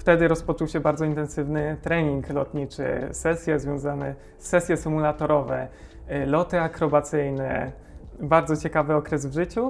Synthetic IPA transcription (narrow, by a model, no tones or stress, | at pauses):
ft̪ɛd̪ɘɾɔspɔt͡ʂuwɕɛbaɾd̪zɔint̪ɛnsɘvnɘt̪ɾɛɲiŋklɔt̪ɲit͡ʂɘ̰sɛsʲjɛzvʲjɔ̃w̃zanɛ̰ | sːɛsʲjɛsɘmulat̪ɔɾɔvɛ̰ | lɔt̪ɘakɾɔbat̪sɘjnɛ̰ | baɾd̪zɔt͡ɕɛkavɘɔkɾɛzvʐɘt͡ɕu